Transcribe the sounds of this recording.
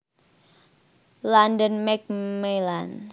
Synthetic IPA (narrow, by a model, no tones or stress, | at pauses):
landənmɛk̚melan